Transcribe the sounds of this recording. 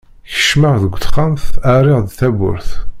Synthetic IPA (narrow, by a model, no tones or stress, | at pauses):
çə̥ʃmaʁðəɡʷːθχamθæɾɪʁðθæbʊ̰ɾθ